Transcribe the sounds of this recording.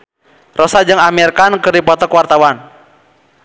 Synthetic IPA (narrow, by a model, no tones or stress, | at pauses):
rʔɔsad͡ʒɨŋamirkankɨrdipɔt̪ɔkwart̪awan